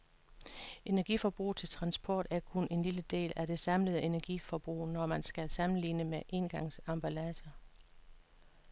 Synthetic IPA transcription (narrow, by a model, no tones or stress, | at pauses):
ʔe̝næɐɡ̥ifɒb̥ʁṵːt͡sʰe̝lt͡sʰʁɑ̈nsb̥ʰɒ̰ːd̥æɐkʰonʔe̝nliləd̥e̝̰ːlæd̥e̝sɑ̈mləð̞̩ˠe̝næɐɡ̥ifɒb̥ʁṵːnɒmænsɡ̥æsɑ̈mn̩lḭːnəmeʔe̝nɡ̥ɑ̈ŋ̰sɑ̈mb̥ælæsɐ